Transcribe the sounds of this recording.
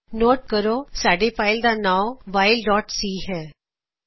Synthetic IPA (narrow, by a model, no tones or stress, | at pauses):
noːʈ̚kəɾosaːɖefʰaːɪld̪anãːwʋaːɪlɖɔːʈsiːɦɛː